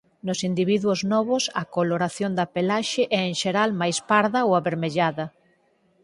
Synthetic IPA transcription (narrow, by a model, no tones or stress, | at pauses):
nʊsind̪iβ̞iðwʊznɔβʊsɐkoloɾaθjond̪apelaʃɪʔɛːŋʃeɾalmajspaɾðɐowaβeɾmeʎaðɐ